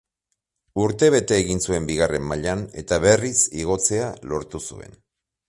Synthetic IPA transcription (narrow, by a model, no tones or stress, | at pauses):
uɾt̪e̞βe̞t̪e̞ːɣinsue̞mbiɣare̞mːaʎane̞t̪aβe̞risiɣ̞o̞t͡se̞alo̞ɾt̪usue̞̰n